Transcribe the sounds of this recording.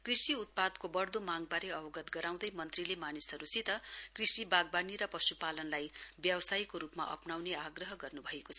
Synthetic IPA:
krisiut̪̚pad̪kobʌrd̪omaŋɡ̚baɾeʌbʌɡʌt̪ɡʌɾaw̃d̪ʌjmʌnt̪rilemanisɦʌɾusit̪ʌkrisibaɡ̚baniɾʌpʌsupalʌnlajbjʌwʌsajkoɾupma̰ʔʌ̰pnawneaɡrʌɦʌɡʌrnubʱʌekot͡sʰʌʌ

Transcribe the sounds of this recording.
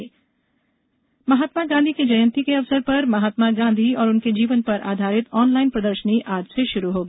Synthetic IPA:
mɐɦaːt̪maɡãːnd̪ʱiked͡ʒɐjə̃nt̪ikeɐʋsəɾpɐɾmɐɦaːt̪maɡãːnd̪ʱiɔːɾʊnked͡ʒiːʋənpɐɾʔa̰ːd̪ʱaːɾɪt̪ɔːnlaːɪnpɾɐd̪əɾʃəniʔaːd͡ʒseʃʊɾuɦoːɡ

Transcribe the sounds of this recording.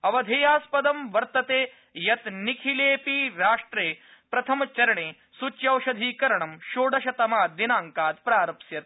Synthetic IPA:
ɐʋɐd̪ʱeːjaːspɐd̪ɐmʋɐɾt̪ɐt̪eː | jɐt̪nikʰileːpiɾaːʂʈɾeːpɾɐt̪ʰɐmɐt͡ʃɐɾɐɳeː | sut͡ʃjɐwʃɐd̪ʱiːkɐɾɐɳɐmʃoːɽɐʃɐt̪ɐmaːd̪inaːŋkaːt̪̚pɾaːɾɐpsjɐt̪̚

